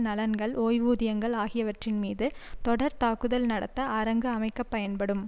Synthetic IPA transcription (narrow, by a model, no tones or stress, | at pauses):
nɐlɐnɡɐɭoːjʋuːðɪjɐŋɡɐɭaːɣɪjɐʋɐʈrɪnmiːðɯt̪ɔɽɐɾt̪aːkːɯðɐlnɐɽɐ̰t̪ːɐʔːɾɐŋɡɯɐmɐɪkːɐpːɐjɐnpɐɽɯm